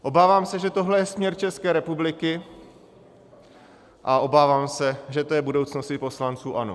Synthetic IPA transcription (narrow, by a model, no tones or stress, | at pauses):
ʔo̞baːvaːmsɛʒɛt̪o̞ɦlɛjɛsmɲɛɾt͡ʃɛskɛːɾɛpublɪkɪ | ʔao̞baːvaːmsɛʒɛt̪o̞jɛbudowt͡sno̞sɪpo̞slant͡suːʔano̞